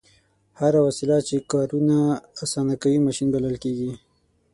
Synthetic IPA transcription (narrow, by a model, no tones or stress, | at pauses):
haɾawasilat͡ʃekɑɾunaːsɑnakawimaʃinbaləlkeɡi